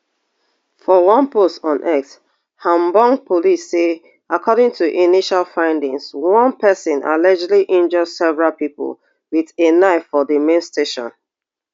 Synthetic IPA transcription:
fɔwʌ̃npostɔ̃nʔɛks | hãmbɔ̃ŋpʰolisːe | akʰɔɾɪ̃ŋtʰuʔiniʃalfãɪ̃ndĩŋswʌ̃npʰɛsɪ̃nʔa̰lɛd͡ʒliʔĩnd͡ʒɔdsɛvəɹalˠpipə̰l | wiðenaɪfɔðəmẽnsteʃɔ̰̃n

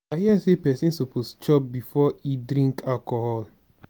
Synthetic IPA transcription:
ahiasepɛsĩnsopost͡ʃɔp̚bifɔidɾĩŋkalkɔhɔl

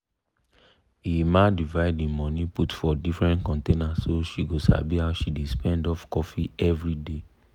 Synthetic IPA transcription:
imadivaɪdĩmɔ̃nĩputfɔdifɹɛ̃ntkɔ̃ntenassoʃiɡosa̰bihaʊʃidespɛ̃ndɔfkɔfiɛvɹide

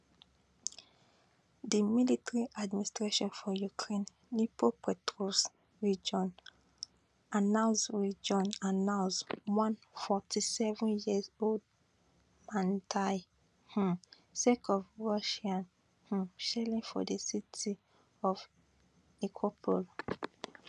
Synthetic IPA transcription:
dimilitɹiʔadministɹeʃɔ̃nfɔjukʰɹẽnː | ipʰopɛtɾos | ɹid͡ʒɔ̃n | anãsɹid͡ʒɔ̃nanãswɔ̃nfɔtisɛvũnjizold | mãntʰa | h̩ | sekɔvɹɔʃiãn | hũʃɛlĩnfɔ̰dəsitʰi | ɔv | ikʰopʰɔ̰l

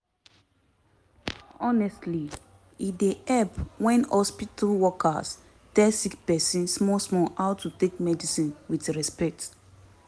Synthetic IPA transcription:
ɔnɛstli | ideʔɛpwɛ̃nhɔspitalwɔka̰s | d̥ɛsikpɛsĩnsmɔsmɔaʊtʰutek̚mɛdisĩnwitɹɛspɛk̚t

